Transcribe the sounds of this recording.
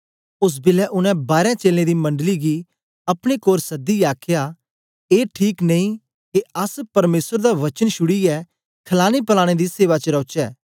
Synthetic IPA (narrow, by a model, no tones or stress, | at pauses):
ʊs̬bɪlɛʔʊnɛ̃baːɾɛ̃t͡ʃeːlẽd̪imɐ̃ɳɖliɡi | ɐpɽ̃ekoːɾsɐd̪iaːkʰja | eːʈʰiːkneĩ | keɐspɐɾmeːsəɾd̪aʋɐt͡ʃənʃʊɽiɛ | kʰɐlaːnipɐlaːɽ̃ed̪iseːʋat͡ʃəɾɔːt͡ʃɛː